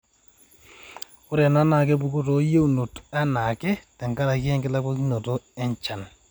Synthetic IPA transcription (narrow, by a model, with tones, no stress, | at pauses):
ʊ˦ɾɛ˨na˦na˨k̬ɛ˦bu˨ko˦to˨˦je˦u˨no˨ta˦na˨kɛ˦tɛ˨ŋka˦ɾa˨kɛ˦ŋkɪ˦la˦kɔ˦ki˦no˨tɔ˦ɛ˦ɲt͡ʃa˨n